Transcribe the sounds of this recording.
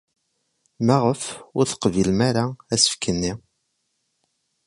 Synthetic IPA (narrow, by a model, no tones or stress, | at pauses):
mæʁəfʊɾθə̥qvilmæɾaæsə̥fkənːi